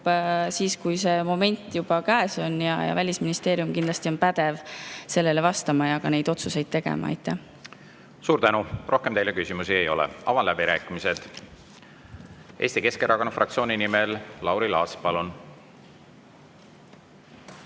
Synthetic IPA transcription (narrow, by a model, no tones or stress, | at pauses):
siːskujse̞ːmo̞me̞nʲt̪ːˑjubɑkæeso̞njɑ̰jɑ̰vælʲisminist̪e̞ːɾjumkind̪lɑst̪io̞npæd̪̥e̞vse̞lːe̞le̞vɑst̪ɑmɑjɑɡ̥ɑne̞jd̪̥o̞t̪suse̞jd̪̚t̪e̞ɡ̥ḛmɑ̰ḛjt̪ːˑe | suːɾt̪ænurʔo̞hkemt̪ejlekysimusie̞jo̞̰lɛ̰ɑ̰vɑnlæbiɾæːkːˑimise̞d̪̥ | ʔe̞ːst̪ike̞skerʔɑkonfrɑkt̪sio̞ːninimellɑwɾilɑːspɑlun